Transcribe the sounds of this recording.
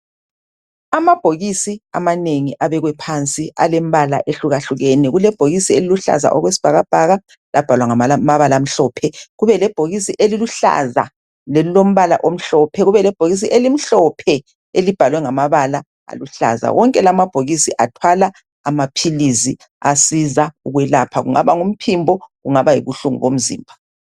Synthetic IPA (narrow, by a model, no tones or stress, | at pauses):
amab̥ʱoɣisia̰maneŋiʔaβɛɣwɛpʰant͡sʼialɛm̩βala̰ʔeɬuɣaɬuɣɛnɛɣulɛb̥ʱoɣisieliluɬa̰za̰ʔɔɣwesi̥b̥ʱaɣab̥ʱaɣa | lʔab̥ʱalwaŋamaβalaːm̩ɬɔːpʰɛɣuβɛlɛb̥ʱoɣisiʔeliluɬa̰za̰ | lɛulom̩βala̰ʔom̩ɬɔpʰɛɣuβɛlɛb̥ʱoɣis̬iʔelim̩ɬɔpʰɛ | elib̥ʱalwɛŋamaβala | a̰luɬa̰za̰wɔŋkʼɛlamab̥ʱoɣisiʔatʰwala | amapʰilizi | asizauɣwɛlapʰaɣṵŋaβaŋum̩pʰimbʱɔɣuŋaβajḭɣuɬuŋṵɣom̩zḭːmbʱa